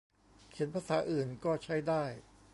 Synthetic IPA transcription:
kʰe˩˦npʰaː˧saː˩˦˥ʔɯː˨˩nkɔː˥˩t͡ɕʰa˦˥˩jdaː˥˩j

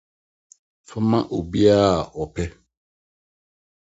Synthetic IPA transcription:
fɔ˦mã˦ʔo˨bi˦a˦˨ɔ˨pʰɛ˦

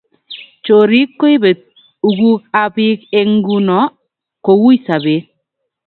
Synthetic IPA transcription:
t͡ʃo˨ɾi˦kːo˦i˦be˨t̚ | u˨ɡu˦a˦bi˦ke˦ŋ˦ɡu˦nɔ˦ | ko˨wu˦i˦sa˨be˨˦

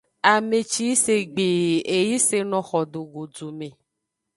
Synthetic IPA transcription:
a˨me˨t͡ʃi˦se˦ɡ͡be˨e˨ji˦se˦nɔ̃˨xɔ˨ɖo˨ɡo˨d͡ʒo˨mẽ˨

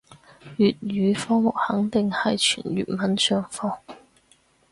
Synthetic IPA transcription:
jyː˨t̚ɥyː˨˧fɔː˥ŋmʊ˨k̚hɐ˨˥ŋt̪ɪ˨ŋhɐ˨jt͡ʃʰy̰ː˨˩nɥy̰ː˨˩nmɐ˨˥nsœː˥ŋfɔː˥ŋ

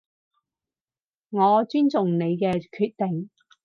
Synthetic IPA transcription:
ŋɔː˨˧t͡ʃyː˥nt͡sʊ˨ŋne˨˧jkɛː˧kʰyː˧t̚t̪ɪ˨ŋ

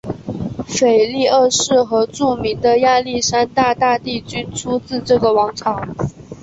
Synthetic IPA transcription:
fe˨˩ɪli˥˧ə˥˧ʂɻ̩˥˩xɤ˧˥ʈ͡ʂu˥˩mi˧˥ŋd̪ə˧ja˥˧li˥˩ʂa˥nt̪a˥˧t̪a˥˧t̪i˥˩t͡ɕy˥nʈ͡ʂʰu˥t͡sɹ̩˥˧ʈ͡ʂɤ˥˩ɡə˩wɑ˧˥ŋʈ͡ʂʰɑ˨˥˦ŋ

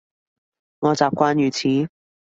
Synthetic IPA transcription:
ŋɔː˨˧t͡saː˨p̚kʷwaː˥njyː˨˧t͡sʰiː˨˥

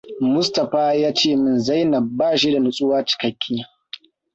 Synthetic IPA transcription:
mʊ˦stɐ˨ɸaː˦jaː˦t͡ʃeː˦˨mɪ˨nza˦jnɐ˨baː˦˨ʃi˦da˨nʊ˦˨sʼʊ˦waː˦t͡ʃɪ̥˨kɐ˦kʲʰːiː˦

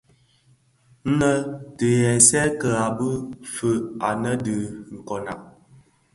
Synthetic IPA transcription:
n̩˦nə˦tə˨jɛ˨sɛ˦kə˨a˨bə˦fə˦a˨nə˦də˨ŋ̩˨kɔ˨na̰˨ʔ̚

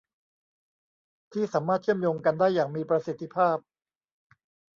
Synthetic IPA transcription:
t̪ʰiː˥˩saː˩˦mːaː˥˩t̪̚t͡ɕʰɯ˥˩əmjoː˧ŋka˧ndaː˥˩jːaː˨˩ŋmiː˧pɾa˧si˨˩t̪ʰːi˧˥pʰaː˥˩p̚

